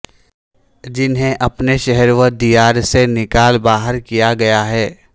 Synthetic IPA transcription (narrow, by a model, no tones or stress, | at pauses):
d͡ʒɪnɦẽʔɐpneʃɛɦɛɾʋəd̪ijaːɾsenɪkaːlbaːɦəɾkijaɡɐjaɦɛː